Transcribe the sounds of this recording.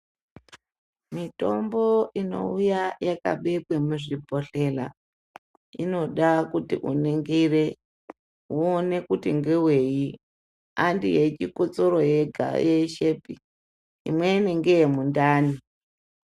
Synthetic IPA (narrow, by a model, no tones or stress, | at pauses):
mito̞mbo̞ino̞̰ujajaka̰ɓekwemuʐibʱo̞ɬe̞la | ino̞ɗakutḭʔṵneŋɡire | uone̞kutiŋɡewe̞ji | andḭjet͡ʃikot͡soɾo̞jeɡʱa̰jeʃe̞pi | ḭmweineŋɡejemundaːni